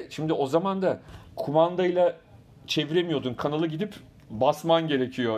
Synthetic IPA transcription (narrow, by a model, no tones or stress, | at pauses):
ʃimd̪ɪo̞zamand̪akʰumand̪ajlˠa | t͡ʃʰe̞viɾemijo̞d̪unkʰanalˠɯɟid̪ip | basmanɟe̞ɾecʰijo̞